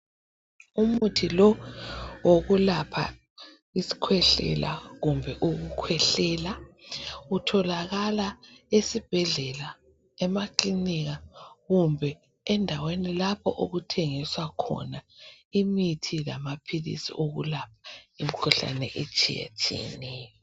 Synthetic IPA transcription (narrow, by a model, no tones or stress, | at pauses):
umutʰilɔ | woɣulapʰa̰ | isi̥kʰwɛɬɛ̰la̰ɣumbʱɛʔuɣukʰwɛɬɛːla | utʰɔlaɣalaesib̥ʱɛɮɛla | ɛmakliniɣaɣumbʱɛ | ɛndʱawenilapʰɔ̰ʔoɣutʰeŋiswakʰɔ̰naimitʰilamapʰilḭsḭʔoɣṵlap̚ʰḁimikʰuɬa̰nɛ̰ʔet͡ʃʰʼḭjḛtʰḭnɛjɔ